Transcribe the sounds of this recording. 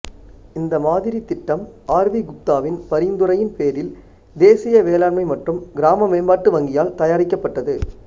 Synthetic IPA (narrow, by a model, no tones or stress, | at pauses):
ɪnd̪ɐmaːðɪɾit̪ːɪʈːɐmaːɾʋiɡʊt̪ːaːʋɪnpɐɾɪnd̪ɯɾɐjɪnpeːɾɪl | d̪eːsɪjɐʋeːlaːɾmɐɪmɐʈrɯmɡɪɾaːmɐmeːmbaːʈːɯʋɐŋɡɪjaːlt̪ɐjaːɾɪkːɐpːɐʈːɐðɯ